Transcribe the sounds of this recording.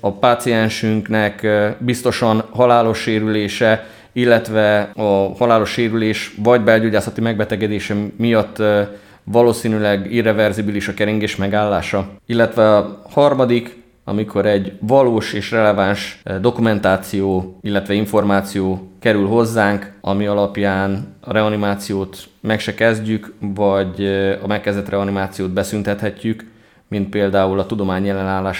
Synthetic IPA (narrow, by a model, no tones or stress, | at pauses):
ɒpaːt̪siɛnʃyŋknɛkbist̪o̞ʃɒnɦɒlaːlo̞ʃːeːɾyleːʃɛ | ilːɛt̪ʋɛɒhɒlaːlo̞ʃːeːɾyleːʃvɒɟbɛlɟoɟaːsɒt̪imɛɡ̚bɛt̪ɛɡɛd̪eːʃɛmijɒt̪ː | vɒloːsiːnylɛɡirɛvɛrzibiliʃɒkɛɾiŋɡeːʃmɛɡaːlːaːʃɒilːɛt̪ʋɛɒhɒrmɒd̪ik | ɒ̰mikʰo̞ɾɛɟvɒloːʃeːʃrɛlɛvaːnʃd̪o̞kumɛnt̪aːt̪sijoːilːɛt̪ʋɛiɱfo̞rmaːt̪sijoːkɛɾylɦo̞zːaːŋkɒmiɒlɒpjaːnɒɾɛɒnimaːt̪sijoːt̪mɛkʃɛkɛzɟykvɒɟɒ̰mɛkːɛzɛt̪rɛɒnimaːt̪sijoːd̪bɛsynt̪ɛt̪hɛcːyk | mint̪̚peːld̪aːulɒt̪ud̪o̞maːɲɛlːɛnaːlːaːʃ